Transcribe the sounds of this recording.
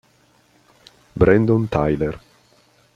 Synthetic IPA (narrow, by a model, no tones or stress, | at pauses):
bɾɛnd̪ont̪ʰajler